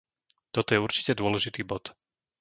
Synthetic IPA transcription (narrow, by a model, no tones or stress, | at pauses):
t̪ɔt̪ɔjɛuɾt͡ʃi̥cɛd̪ʊɔlɛʒit̪iːbɔt̪